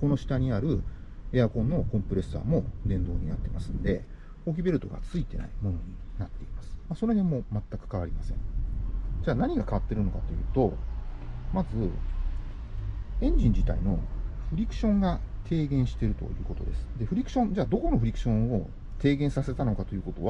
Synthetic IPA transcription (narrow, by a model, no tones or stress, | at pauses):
ko̞no̞ɕi̥t̪aɲ̟iaɾɯ̟e̞akõ̞nːo̞kõ̞mpɯ̟ɾe̞sɨa̰ːmo̞d̪ẽ̞nd̪o̞ːɲ̟inat̪ːe̞masɨ̃nd̪e̞ | ok̬ʲibe̞ɾɯt̪o̞ɡa̰t͡sɨit̪e̞na̰imo̞no̞ɲ̟inat̪ːe̞imasɨ̥maso̞ɾe̞ɦemo̞mat̪ːakɯ̥kaβ̞aɾʲimasẽ̞̰ | d͡ʑaːnaɲ̟iɡakaβat̪ːe̞ɾɯ̟no̞kat̪o̞jɯ̟ːt̪o̞ | mazɨ | ẽ̞ɲ̟d͡ʑĩɲ̟d͡ʑit̪a̰ino̞ɸɯ̟ɾʲikɯ̟̥ɕõ̞ŋɡat̪ʰe̞ːɡẽ̞ɰ̃ɕi̥t̪e̞ɾɯ̟t̪o̞̰jɯ̟ːko̞t̪o̞̰d̪e̞sɨ̥d̪e̞ɸɯ̟ɾʲikɯ̟̥ɕõ̞nd͡ʑaːd̪o̞ko̞no̞ɸɯ̟ɾʲikɯ̟̥ɕõ̞ɰ̃o̞ | t̪e̞ːɡẽ̞ɰ̃sase̞t̪ano̞kat̪o̞jɯ̟ːko̞t̪o̞βa